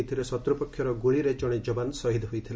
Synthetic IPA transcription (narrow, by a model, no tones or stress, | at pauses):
t̪ʰiɾesɔt̪ɾɔpɔkʰːjɔɾɔɡuɭiɾed͡ʒɔɽ̃ed͡ʒɔbansɔɦid̪ɔɦujt̪ʰil